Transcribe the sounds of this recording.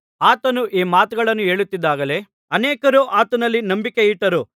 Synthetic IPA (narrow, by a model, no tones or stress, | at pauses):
aːt̪ɐnuʔiːmaːt̪uɡɐɭɐnːue̞ːɭut̪ːid̪ːaːɡɐle̞ | ɐneːkɐɾuʔaːt̪ɐnɐlːinɐmbike̞iʈːɐɾu